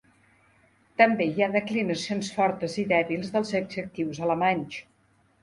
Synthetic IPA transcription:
t̪əmbejaðəklinəsionsfɔɾt̪əziðɛβilˠzðəlˠzəɡzək̚t̪iwzələmaɲʲt͡ʃ

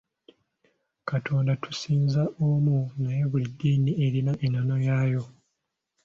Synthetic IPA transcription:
katʰo̞ːndatʰu̥siːnzaʔomunaje̞βulidːiːnie̞ɾinaʔenono̞jaːjo̞

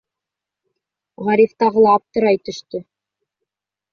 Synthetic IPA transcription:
ʁɑɾift̪ɑʁɤ̆lˠɑːp̚t̪ɤ̆ɾɑjt̪ɵ̆ʃt̪ɵ

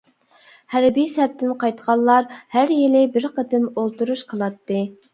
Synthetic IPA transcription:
hæɾbijsɛp̚t̪ʰɪnqʰɑjt̪qʰɑlˠːɑɾhæɾjelɪbɪɾqəd̪ɪmolˠt̪uɾuʃqʰəlˠɑt̪ːɨ

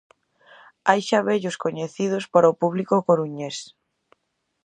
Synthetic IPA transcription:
ajʃaβeʎʊskoɲeθiðʊspaɾaopuβlikokoɾuɲes

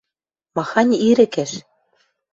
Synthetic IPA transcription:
mɑxɑnʲiɾɘ̆kæʃ

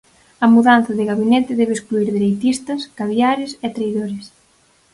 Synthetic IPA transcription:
ɐmuðan̟θɐðɪɣaβinɛt̪ɪðɛβeːskluiɾðeɾejt̪ist̪ɐskaβjaɾɪsɛt̪ɾejðoɾɪs

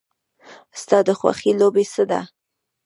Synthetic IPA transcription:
st̪ɑd̪əxwa̰xilobesəd̪a̰

